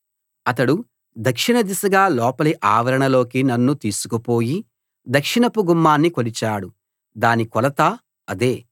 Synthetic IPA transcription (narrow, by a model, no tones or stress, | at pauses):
ɐt̪ɐɽu | d̪ɐkʂiɳɐd̪isɐɡaːlɔːpɐliʔaːʋɐɾɐɳɐlo̞ːkinɐnːut̪iːsu̥kupo̞ːji | d̪ɐkʂiɳɐpuɡumːaːnːikolit͡ʃaːɽu | d̪aːnikɔlɐt̪aː | ɐd̪e̞ː